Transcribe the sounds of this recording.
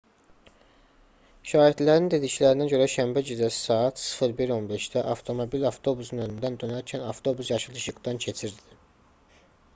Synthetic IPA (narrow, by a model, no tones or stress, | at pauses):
ʃɑːɦid̪læɾind̪e̞d̪iclæɾinæɟø̞ɾæʃæmbæd͡ʒid̪æsɑːɑt̪ʰsɯ̥fɯɾbiɾo̞nbe̞ʃd̪æʔɑft̪ʰo̞mo̞bilɑft̪ʰo̞busunønynd̪ænd̪ønæɾcʰænɑft̪ʰo̞busjɑʃɯlˠɯʃɯɡd̪ɑncʰe̞t͡ʃʰiɾd̪i